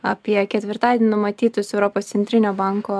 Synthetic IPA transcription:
ɐpʲiɛkʲɛt̪ʲʋʲɪɾt̪ɑːd̪ʲɛnʲnʊmɐt̪ʲiːt̪ʊsɛʊɾoːpoːst̪sʲɛnt̪ʲɾʲɪnʲoːbɑŋko

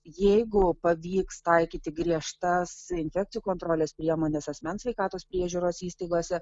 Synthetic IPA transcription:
jɛɪɡʊpɐʋʲiːkst̪ɐɪkʲiːt̪ʲɪɡɾʲiɛʃt̪ɐsɪnʲfʲæk̪̚sʲɪjuːkont̪ɾoːlʲɛspʲɾʲiɛmoːnʲɛsɐsʲmʲɛnsʲʋʲɛɪkɑːt̪oːspʲɾʲiɛʒʲuːɾoːsiːst̪ɐɪɡoːsʲɛ

